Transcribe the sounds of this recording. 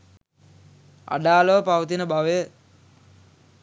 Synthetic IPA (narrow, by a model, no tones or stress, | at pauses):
a̰ɖaːləʋəpaʋət̪inəbaʋəjə